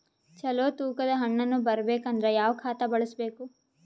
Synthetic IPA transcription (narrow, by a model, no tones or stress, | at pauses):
t͡ʃɐloːt̪uːkɐd̪ɐɦɐɳːɐnːubɐɾɐbeːkɐnd̪ɾejaːʋɐkʰaːt̪ɐbɐɭusbeːku